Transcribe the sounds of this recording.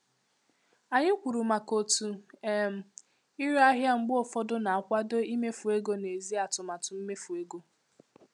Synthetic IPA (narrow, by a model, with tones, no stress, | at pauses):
a˨ɲɪ˦kʷu˨ɾu˨ma˨ko˨tu˨e˦˨m̩˨ | i˦ɾa˦ɦja˦ŋ͡m̩˨ɡ͡bʊ˦ɔ˨fɔ˦dʊ˦na˨a˨kʷa˦do˦i˦me˦fu˨e˦ɡo˦ne˨zi˦a˨tʊ˨ma˨tʊ˨m̩˦me˦fu˨e˦ɡo˦